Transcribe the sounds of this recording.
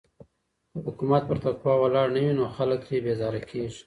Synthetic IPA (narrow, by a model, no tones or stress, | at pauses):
əhʊkumat̪̚pəɾt̪akwɑwalɑɽnawinoxaləkɾebezɑɾakʰeʒi̥